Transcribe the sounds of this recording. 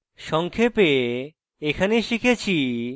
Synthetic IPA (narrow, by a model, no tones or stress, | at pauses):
ʃɔŋkʰepe | ekʰaneʃikʰet͡ɕʰi